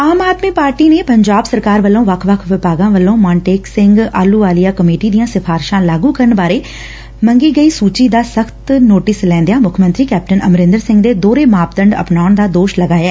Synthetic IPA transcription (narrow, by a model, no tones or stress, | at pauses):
aːmaːd̪miːpaːɾʈiːneːpəɲd͡ʒaːbsəɾkaːɾʋəlːõːʋəkʰʋəkʰʋɪpaːɡãːʋəlːõːmaːɳʈeːksɪ̃ŋɡaːluːaːlijaːkəmeːʈiːd̪ijãːsɪpʰaːɾʃãːlaːɡuːkəɾəɳbaːɾeː | məŋɡiːɡəiːsuːt͡ʃiːd̪aːsəkʰt̪noːʈɪslɛ̃ːnd̪ejaːmʊkʰmə̃nt̪ɾiːkɛːp̚ʈənəmɾɪ̃nd̪əɾsɪ̃ŋɡd̪eːd̪oːɾeːmaːpd̪əɳɖə̰pnaːʊɳd̪aːd̪oːʃləɡaːjaɛː